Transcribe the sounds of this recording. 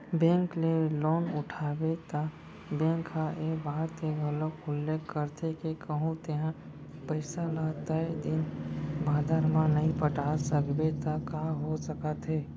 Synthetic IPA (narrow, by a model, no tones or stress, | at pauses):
bẽːŋkleloːnʊʈʰaːbet̪a | bẽːŋkʰːaʔebaːt̪eɡʱəlokʊlːeːkːəɾt̪ʰekekʰəɦũt̪eɦã | pəɪsalat̪aed̪ɪnbʱaːd̪əɾmãnəɦĩpəʈasəkbet̪akaɦosəkət̪ɦeː